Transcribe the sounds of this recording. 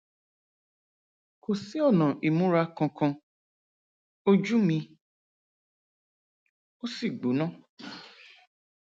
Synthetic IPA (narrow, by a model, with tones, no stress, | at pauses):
kʰo˨si˦ɔ˦˨nã˨ʔi˨mũ˦ɾa˧˦kɔ̃˧kɔ̃˧ | o˦d͡ʒu˦mĩ˧ | o˦si˦˨ɡ͡bu˨˦nã˦˨